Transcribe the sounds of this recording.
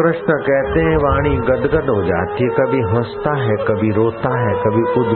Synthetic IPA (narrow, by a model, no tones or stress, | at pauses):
ɾɐʃnəkɛɦt̪eɦɛ̃ʋaːɽ̃iɡɐd̪ɡəd̪ɦod͡ʒa̰ːt̪iekɐbʱiɦɐ̃st̪aɦɛkɐbʱiɾoːt̪aɦɛkɐbʱiʊd̪